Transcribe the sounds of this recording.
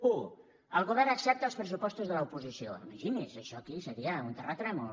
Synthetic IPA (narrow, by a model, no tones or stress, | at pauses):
u | əlˠɣuβ̞ɛrnəksɛp̚t̪əːlˠspɾəsupɔst̪uzðələupuzisioḭməʒinizəʃɔkisəɾiəunt̪ərat̪ɾɛmu